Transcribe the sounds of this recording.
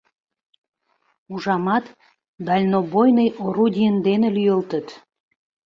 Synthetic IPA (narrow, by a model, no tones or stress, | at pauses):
uʒɑmɑt̪ | d̪ɑlʲnobojnəjoɾud̪ʲijənd̪enelyjəlt̪ə̆t̪